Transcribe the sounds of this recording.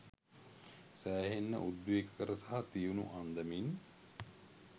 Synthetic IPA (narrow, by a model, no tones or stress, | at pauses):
sæːɦenːə̰ʔud̪uekəkəɾəsaɦat̪ijunṵʔand̪əmin